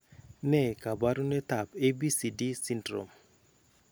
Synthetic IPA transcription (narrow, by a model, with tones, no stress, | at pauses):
nɛ˦˨ka˨ba˦ɾu˦nɛ˦t̪a˨pe˦bi˦si˨di˦si˦ndɾo̰˨m